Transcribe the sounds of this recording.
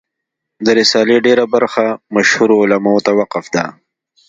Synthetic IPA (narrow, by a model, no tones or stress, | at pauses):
d̪əɾɪsɑːleɖeɾabaɾxamaʃhuɾoːlamaot̪awaqɪfd̪a̰